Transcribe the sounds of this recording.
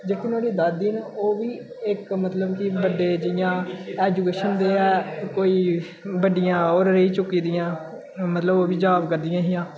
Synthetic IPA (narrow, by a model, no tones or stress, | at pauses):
d͡ʒeːkʰiːnoːɽiːd̪aːd̪iːnoːʋiː | ɪkmət̪ləbkɪbəɖeːd͡ʒɪjãːɛːd͡ʒuːkeːʃənd̪eːɛːkoːiː | bəɖɪjãːoːɾɾəiːt͡ʃʊkːiːd̪ɪjãː | mət̪ləboːʋiːd͡ʒaːbkəɾd̪ɪjãːɦɪjãː